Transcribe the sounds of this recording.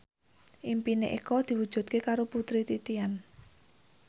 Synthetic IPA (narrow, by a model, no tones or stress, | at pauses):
ʔimpinḛʔḭkɔd̪̥i̤wu̥ʒ̥ṳt̪̚kekaɾoput̪ɾit̪it̪ian